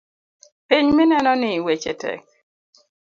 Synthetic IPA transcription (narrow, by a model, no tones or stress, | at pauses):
piɲminɛnɔnɪwet͡ʃɛtɛ̰k̚